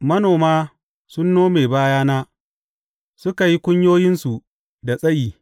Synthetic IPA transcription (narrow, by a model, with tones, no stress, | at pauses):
mɐ˦noː˨maː˦ | sʊ˦nːoː˦me˨baː˦jaː˦naː˦ | sʊ˦ka˨ji˦kʷʊ˦ɲjoː˦jɪ˦nsu˨ | da˨sʼɐ˦jiː˨